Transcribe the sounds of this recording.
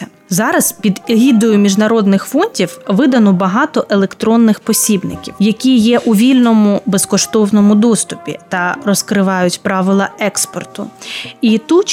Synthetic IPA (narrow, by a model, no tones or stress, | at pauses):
ɐ | zɑɾɐzpʲid̪ɦʲid̪ɔjʊmʲiʒnɐɾɔd̪nɪxfɔnʲtʲiwʋɪd̪ɐnɔbɐɦɑt̪ɔʔelˠekt̪ɾɔnːɪxpɔsʲibnɪ̰kʲḭwjɐkʲijɛʔuʋʲilʲnɔmʊbeskɔʃt̪ɔwnɔmʊd̪ɔst̪ʊpʲḭt̪ɐɾɔskɾɪʋɑjʊtʲpɾɑʋɪlˠɐɛkspɔrt̪ʊit̪ut͡ʃ